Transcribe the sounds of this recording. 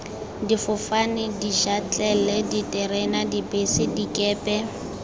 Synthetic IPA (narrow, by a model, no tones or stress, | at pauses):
difʊfanɪdiʃat͡ɬʼɛlɛditʼɛrɛnadibesɪdikʼɛːpʼɛ